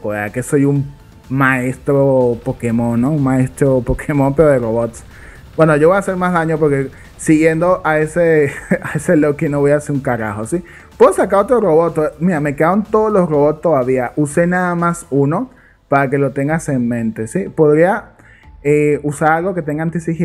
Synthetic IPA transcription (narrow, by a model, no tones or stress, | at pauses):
ea̰ke̞so̞jum | mae̞st̪ɾopo̞ke̞mõ̞nːounmae̞st̪ɾopo̞kʰemo̞mpe̞ɾo̞ðero̞βot̪s | bwe̞no̞ʝoβo̞jase̞ɾmazðaɲo̞p̬o̞ɾke̞ | siɣje̞nd̪o̞ʔae̞seae̞se̞lokino̞βo̞jaseuŋkaɾa̰xo̞si | pwe̞ðosakaɾo̞t̪ɾo̞ro̞βo̞t̪ːomiɾame̞keðaɾont̪o̞ðozlo̞sro̞βo̞t̪st̪o̞ðaβiaʔuse̞naðamasuno̞ | paɾake̞lo̞t̪e̞ŋɡase̞nmẽ̞nt̪e̞sipo̞ðɾia | eusaɾalɣo̞ke̞t̪e̞ŋɡant̪isix